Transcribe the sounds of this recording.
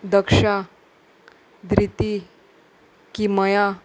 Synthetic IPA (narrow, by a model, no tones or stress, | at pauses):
d̪əkʂa | d̪ɾit̪i | kiməja